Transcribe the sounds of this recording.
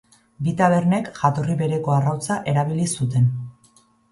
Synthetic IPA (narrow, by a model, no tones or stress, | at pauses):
bit̪aβe̞ɾne̞kʝat̪o̞riβe̞ɾe̞ko̞arawt͡saʔe̞ɾaβilisut̪̬e̞n